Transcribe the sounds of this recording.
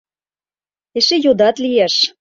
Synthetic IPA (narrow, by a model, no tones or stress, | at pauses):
eʃĕjod̪ɑt̪lijæʃ